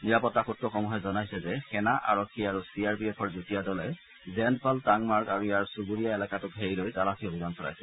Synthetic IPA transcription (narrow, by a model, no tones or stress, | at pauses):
niɹapɔtːaxutːɔxɔmɔɦɛzɔnajsɛzɛxɛnaʔa̰ɹɔkʰːiaɹusiaɹpiɛpʰɔɹzutijadɔlɛ | zɛndpaltaŋmaɹkaɹujaɹsuɡuɹijaelakatʊkɦeɹilojtalapʰiobʱimansɔɹa̰jsɛ